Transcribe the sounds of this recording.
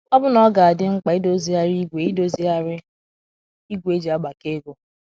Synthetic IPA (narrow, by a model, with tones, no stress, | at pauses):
ɔ˦bʊ˦nɔ˦ɡa˨a˨dɪ˦ŋ͡m̩˦k͡pa˨i˦do˦zi˨˦a˦ɾi˦ɡʷe˨i˦do˦zi˦a˦ɾɪ˦ | i˦ɡʷe˦d͡ʒi˨a˦ɡ͡ba˨ke˦ɡʷo˨